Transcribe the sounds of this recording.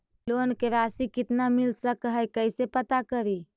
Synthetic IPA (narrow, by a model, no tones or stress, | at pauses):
lonkeɾasikɪt̪namilsəkɦəjkəɪsepət̪akəɾi